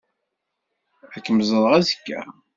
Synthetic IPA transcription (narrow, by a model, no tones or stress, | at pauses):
ækːəmzˤəðˤʁæzəkːæ̰